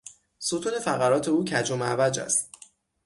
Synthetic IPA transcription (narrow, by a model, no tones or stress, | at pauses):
sut̪ʰuːne̞fæɣæɾɒːt̪ʰe̞uːcʰæd͡ʒomævæd͡ʒæ̰st̪